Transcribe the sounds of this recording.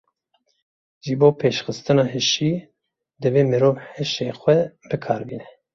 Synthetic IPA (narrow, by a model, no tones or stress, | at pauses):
ʒiboːpʰeːʃxɨst̪ɨnɑːɦɨʃiː | d̪ɨveːmɨɾoːvhɨʃeːxʷwɛbɨkʰɑːɾbiːnɛ